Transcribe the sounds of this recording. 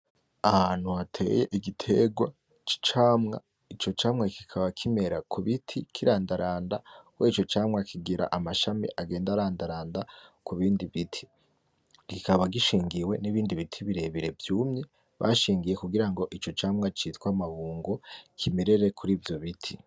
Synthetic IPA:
ahaːn̥huatʰe̞̰ːje̞ʔiɡitʰe̞ɡwa | t͡ʃi̥t͡ʃaːmŋa̰ | it͡ʃo̞t͡ʃaːmŋaki̥kʰaβakʰime̞ɾakʰuβitʰikʰiɾaːndaɾaːndakwet͡ʃo̞t͡ʃaːmŋakʰiɡiɾa̰ʔamaʃamḭʔaɡe̞ːndaɾaːndaɾaːndakuβiːndiβitʰi̥ | ɡikaβaɡiʃiːŋɡiwe̞niβiːndiβitʰiβiɾe̞βiɾe̞vjuːmɲe | βa̰ʃiːŋɡije̞kuɡiɾaŋɡo̞ʔit͡ʃo̞t͡ʃaːmŋat͡ʃiːtkwamaβuːŋɡokʰimeɾe̞ɾe̞kʰuɾiːvjo̞βitʰi

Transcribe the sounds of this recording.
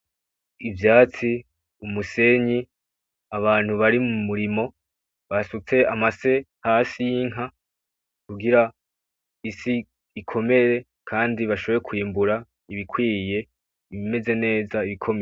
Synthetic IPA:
ivjaːt͡si | umuse̞ɲi | aβaːn̥huβaɾimumuɾimo̞ | βasut͡se̞amase̞ | hasijiŋ̥ɦa | kuɡiɾa | isiː | kʰo̞me̞ɾe̞ | kʰaːndiβaʃo̞βojekwiːmbuɾa | iβikʰwiːje̞ | iβime̞ze̞ne̞ːzaiβikʰo̞me

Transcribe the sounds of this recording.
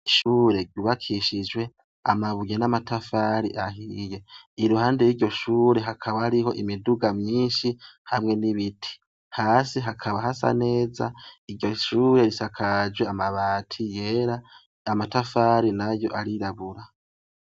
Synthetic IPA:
iʃuːɾe̞ɟuːβakʰiʃid͡ʒwe̞ | a̰maβujenamatʰafaɾiʔaɦije̞iɾuhaːnde̞jiːɟo̞ʃuːɾe̞ɦakʰaβahaɾiɦo̞ʔimiduɡamɲiːnʃihamŋe̞niβitʰi̥ | haːsiɦakʰaβaɦasa̰ne̞ːzaiɾɟoʃuːɾe̞ɾisakʰad͡ʒɡweamaβaːtʰije̞ːɾa | amatafaɾinajo̞ʔaɾiɾaβuɾa

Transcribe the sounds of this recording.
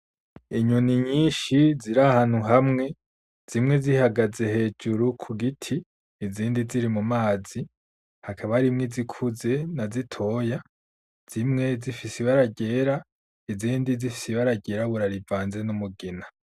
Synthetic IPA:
iɲuniɲiːnʃiziɾahaːn̥huɦamŋe̞ | z̥imŋe̞zihaɡaze̞he̞ːd͡ʒuɾukʰuɡitʰiː | ziːndiziɾimumaːz̥i | hakʰaβaɾimŋizikʰuze̞nazitʰo̞ːja | z̥imŋe̞zifisiβaɾaɟe̞ɾa | iziːndizifi̥siβaɾaɟe̞ːɾaβuɾaɾivaːnze̞numuɡena

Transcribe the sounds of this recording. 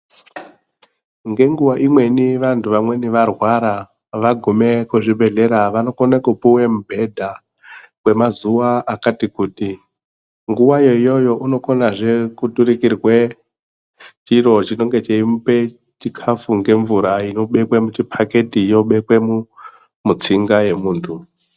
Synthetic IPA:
ŋɡe̞ŋɡuwaʔimwe̞niʋantʰuʋamwe̞niʋarwaɾa | ʋaɡʱume̞kuʐibʱe̞ɮe̞ɾaʋano̞konekupuwemubʱe̞dʱa | kwe̞mazuwaʔːkatikuːti | ŋɡuwajo̞ijo̞jo̞ʔuno̞konaʐe̞kutuɾikirwe | t͡ʃiɾo̞t͡ʃino̞ŋɡe̞t͡ʃeimpe̞ | t͡ʃikʰafuŋɡe̞ɱvuɾaino̞ɓe̞kwemut͡ʃipʰake̞tijo̞ɓe̞kwe̞mu | mut͡siŋɡaje̞muːntʰu

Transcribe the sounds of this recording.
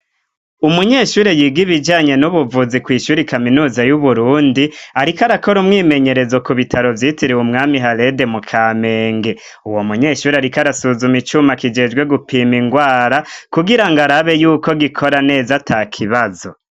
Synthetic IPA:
umuɲe̞ːʃuːɾejiɡiβid͡ʒaːɲe̞nuβuvuzikwiːʃuːɾikaminuːzajuβuɾuːndiaɾikaɾako̞ɾumŋiːme̞ɲe̞ɾe̞zokuβitʰaɾo̞vjiːtiɾiwumŋaːmiɦale̞de̞mukʰaːme̞ːŋɡe̞ | uwo̞muɲe̞ʃuːɾeaɾikaɾasuzumit͡ʃumakid͡ʒe̞d͡ʒɡwe̞ɡupiːmiŋɡwaːɾakuɡiɾaŋɡaɾaβe̞juːko̞ɡikʰo̞ɾane̞ːzatʰaːkʰiβazo̞̰

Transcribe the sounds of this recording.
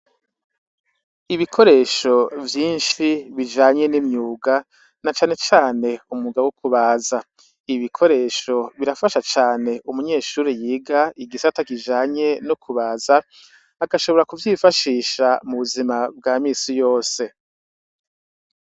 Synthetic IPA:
iβikʰo̞ɾe̞ːʃo̞vjiːnʃiβid͡ʒaːɲe̞nimɲuːɡa | nat͡ʃaːne̞t͡ʃaːne̞umuɡawokuβaːza | iβikʰo̞ɾe̞ːʃo̞βiɾafaʃat͡ʃaːne̞ʔumuɲe̞ːʃuːɾijiːɡaiɡisatakid͡ʒaːɲe̞nukʰuβaːzaː | ɡaʃo̞βo̞ɾakuvjiːfaʃiːʃamuβuzimab̚ɡaːmiːsijo̞ːse̞

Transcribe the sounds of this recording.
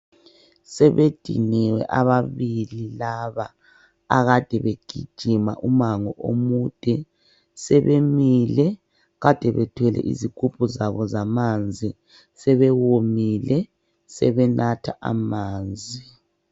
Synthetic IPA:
sɛβed̥ʱḭnɛwɛ̰ʔaβaβililaβa | a̰ɣad̥ʱɛβeɡ̥ʱid̥ʒ̥ʱima̰ʔumaŋɔʔo̰mud̥ʱɛ | sɛβemilɛ | ɣad̥ʱɛβɛtʰwɛlɛ̰ʔḭziɡ̥ʱʼup̚ʰʼuzaβɔzamand͡zʱi | sɛβɛwomilɛ | sɛβɛnʔatʰaʔa̰maːnd͡zʱi

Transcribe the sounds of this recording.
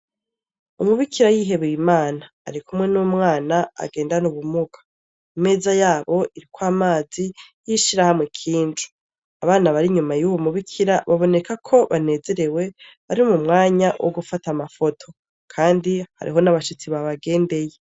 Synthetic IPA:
umuβikʰiɾajiɦe̞βejimaːna̰ːɾikumŋe̞numŋaːnaa̰ɡe̞ːndanuβumuɡḁ | ime̞ːzajaːβo̞ʔiɾikwaːmaːzijiʃiɾahamŋe̞kʰiːnd͡ʒu̥ | aβaːnaβaɾiɲumajuβumuβikʰiɾaβaβo̞ne̞kʰakʰo̞βane̞ːze̞ɾe̞we̞βaɾimumŋaːɲawʔoɡufatamafo̞tʰo̞ | kʰaːndiha̰ɾḭɦo̞naβaʃit͡siβaβaɡe̞ːnde̞je

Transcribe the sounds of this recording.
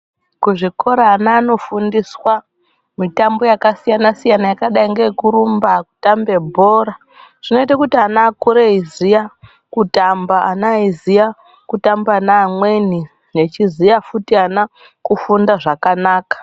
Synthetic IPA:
kuʐiko̞ɾaːnaːno̞fundiswa | mitambo̞jakasijanasijanajakaɗaiŋɡekuɾumbaku̥tambe̞bʱoːɾa | ʐ̥ino̞itakutianaːkuɾeizija | kutambaanaizija | kutambanaːmweni | jet͡ʃizijafutiana | kufundaʐakanaːkḁ

